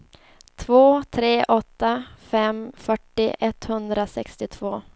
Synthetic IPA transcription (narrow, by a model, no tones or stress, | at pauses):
t̪ʰvoːt̪ʰɾeːʔɔt̪ːafɛmfœʈːɪʔɛt̪hɵnd̪ɾasɛkst̪ɪt̪ʰvoː